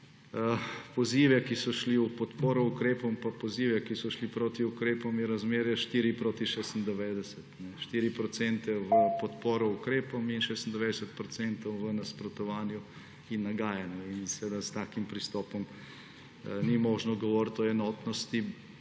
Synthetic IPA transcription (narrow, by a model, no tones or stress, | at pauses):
pɔziːʋɛkisɔʃliupɔt̪poːɾɔukɾeːpɔmpapɔziːʋɛkisɔʃlipɾoːt̪iukɾeːpɔmjɛɾazmeːɾjaʃt̪iːɾipɾoːt̪iʃeːst̪nd̪ɛʋeːd̪ɛsɛt̪nɛʃt̪iːɾipɾɔt̪sɛnt̪ɛʋəpɔt̪poːɾɔukɾeːpɔminʃeːst̪nd̪ɛʋed̪ɛsɛt̪̚pɾɔt̪sɛnt̪ɔwʋənɐspɾɔt̪ɔʋaːnju | inːaɡaːjanjuinsɛʋed̪ast̪aːkimpɾist̪ɔːpɔm | nimɔːʒnɔɡɔʋɔːɾt̪ɔɛnɔːt̪nɔst̪i